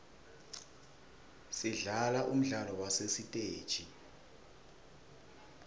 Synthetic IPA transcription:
siɮalaʔum̩ɮalɔwasesitʼeːd̥ʒ̥ʱʼi

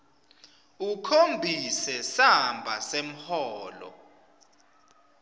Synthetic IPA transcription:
ukʰombʱisɛsambʱasem̩hɔːlɔ̰

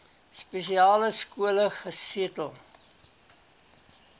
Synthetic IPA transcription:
spesiɑːləskuələχəsiətəlˠ

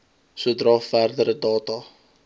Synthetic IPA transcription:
suədrɑːfærdəɾədɑːtɑ

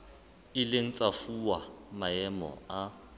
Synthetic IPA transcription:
ɪleŋ̩t͡sʼafuwamaɛmɔ̰a

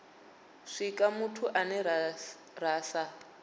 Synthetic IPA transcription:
ʂikʼamutʰuʔanɛ | raːsa

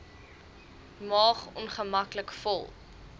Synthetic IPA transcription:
mɑːχɔ̰nχəmɐkləkfɔlˠ

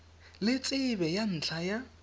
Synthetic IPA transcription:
lɪt͡sʼɪbɛjan̩t͡ɬʰaja

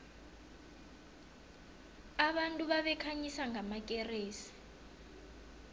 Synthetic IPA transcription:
aβantʼuβaβɛkʰaɲisaŋɡamakʼereːsi̥

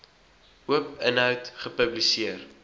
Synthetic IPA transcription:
uəpənɦœwtχəpəblisiər

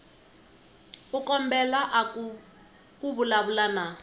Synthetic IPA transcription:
ukɔmbɛlaʔa | kuβulaβulana

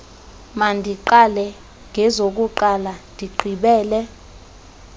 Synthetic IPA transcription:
mandʱiǃalɛ | ŋʱɛzok̬uǃalandʱiǃʱiɓɛːlɛ

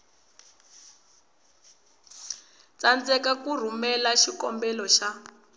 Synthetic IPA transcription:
t͡sand͡zɛkakur̤umɛlaʃikɔmbɛlɔʃa

